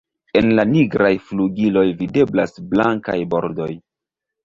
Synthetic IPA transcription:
e̞nlaniɡɾajfluɡilo̞jvide̞blasblaŋka̰jbo̞ɾdo̞j

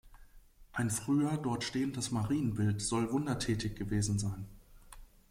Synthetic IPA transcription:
ʔaɪnfʁ̥yːɐdɔɐtʃteːəndəsmaʁiːənbɪltz̥ɔlvʊndɐtʰɛːtɪçɡ̥əveːzn̩zaɪn

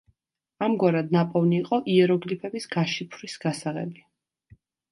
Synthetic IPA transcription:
amɡwaɾad̪̚napʼɔvniːqʼɔʔiɛɾɔɡlipʰɛbisɡ̥aʃipʰɾisɡ̥asaʁɛ̰bi

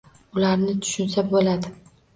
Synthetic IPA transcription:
ʊlaɾnɪt̪ʰʊ̥ʃʊnsabolad̪ɪ

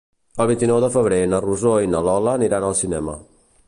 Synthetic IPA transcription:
əlˠβ̞int̪inɔwðəfəβ̞ɾenəruzoinəlɔləːniɾanəlˠsinɛmə̰

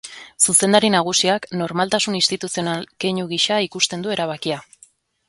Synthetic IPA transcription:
suse̞nd̪aɾinaɣ̞usiakno̞ɾmalt̪asunist̪it̪usionalkeɲuɣiʃaikust̪e̞nd̪ue̞ɾaβ̞akia

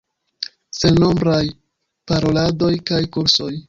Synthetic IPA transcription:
se̞lno̞mbɾaj | paɾo̞lado̞jkajkuɾso̞j

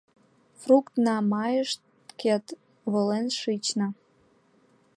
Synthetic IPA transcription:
frukt̪nɑmɑjəʃt̪ | ket̪ | βolenʃit͡ɕnə̆

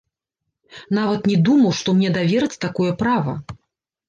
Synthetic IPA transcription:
n̪avɐt̪nʲɛd̪umɐwʂt̪ɔmnʲɛd̪avʲɛɾɐt͡sʲt̪akɔjɐpɾavɐ̰

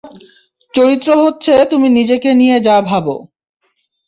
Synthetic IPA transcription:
t͡ɕoɾit̪ːɾoɦotːɕʰet̪uminid͡ʑekenijed͡ʑabʱabo̰

